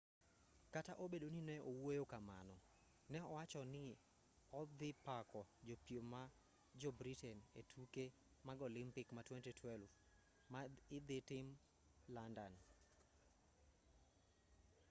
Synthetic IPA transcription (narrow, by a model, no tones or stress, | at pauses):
kataʔobedoninɛʔowojokama̰nɔ | nɛɔwat͡ʃɔnɪ | ɔd̪ɪpakɔd͡ʒopioma | d͡ʒɔbɾitɛnetʰuke | maɡolɪmpɪkmatwɛntitʰwɛlv | maɪd̪ɪtɪm | landan